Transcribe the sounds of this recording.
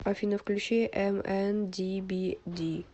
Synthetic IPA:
afinɔfklʲuʃeʔɛmɛnd̪ibid̪i

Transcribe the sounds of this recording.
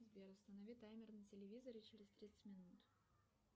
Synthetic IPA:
zbʲeɾʊst̪ənɐvʲit̪ajmʲɪrnɨtʲɪlʲɪvʲizəɾɪt͡ɕɪɾʲɪst̪ʲɾʲit̪səɨ̥tʲmʲɪnut̪

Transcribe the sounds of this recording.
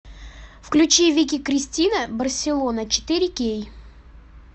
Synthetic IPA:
fklʲʉt͡ɕivʲɪkʲikɾʲɪsʲtʲinəbərsʲɪlˠonət͡ɕɪ̥t̪ɨɾʲɪkʲej

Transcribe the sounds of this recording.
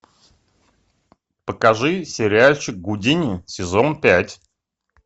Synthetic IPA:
pəkɐʐɨsʲɪɾʲɪalʲt͡ɕɪk̚ɡʊdʲinʲɪsʲɪzonpʲætʲ

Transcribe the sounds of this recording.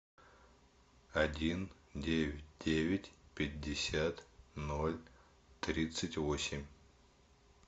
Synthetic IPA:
ɐdʲin | dʲevʲɪt̚ʲdʲevʲɪtʲpʲɪdʲːɪsʲat̪no̞lʲ | t̪ɾʲit̪sɨtʲvosʲɪmʲ

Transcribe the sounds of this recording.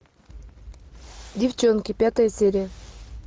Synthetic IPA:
dʲɪft͡ɕonkʲɪpʲat̪əjəsʲeɾʲɪjə

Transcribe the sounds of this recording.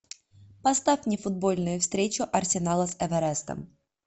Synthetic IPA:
pɐst̪afʲnʲɪfʊd̪̚bo̞lʲnʊjʊfst̪ɾʲet͡ɕʊʔɐrsʲɪnalˠəsɛvɛɾɛst̪ə̰m

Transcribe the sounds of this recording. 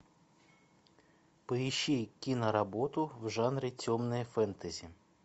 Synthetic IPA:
pɨiʃikʲinɐɾɐbɔt̪ʊwʒɑnɾʲit͡sʲɔmnɔjifɛnt̪ɐzʲi

